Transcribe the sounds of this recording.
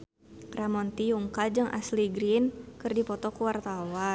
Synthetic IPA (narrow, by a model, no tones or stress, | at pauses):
kɾʔamɔnt̪iuŋkad͡ʒɨŋʔa̰sliɡɾinkɨrdipɔt̪ɔkuwart̪awa